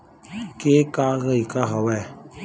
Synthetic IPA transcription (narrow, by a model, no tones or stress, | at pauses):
keːkaɣəikaɦawɛ